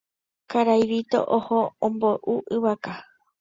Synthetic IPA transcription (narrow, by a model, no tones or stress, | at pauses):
kaɾajʋit̪o̰ʔohoõmboʔuʔɨβaka